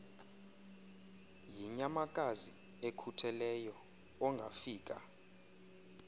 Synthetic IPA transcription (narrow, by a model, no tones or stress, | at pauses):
jiɲamakʼazi | ekʰutʰɛlɛjɔ | ɔŋɡʱa̰fiːk̬ʼa̰